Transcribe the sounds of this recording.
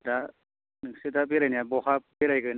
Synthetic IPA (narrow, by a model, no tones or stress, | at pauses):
da | nɯŋsɯdabeɾajniabɔhap̚beɾajkɯn